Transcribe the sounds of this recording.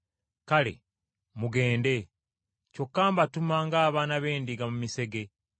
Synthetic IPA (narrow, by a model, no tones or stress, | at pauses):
kale̞̰ | muɡe̞ːnde̞ | co̞kːaːmbatumaŋɡaːβaːnaβe̞ːndiɡamumise̞ɡe̞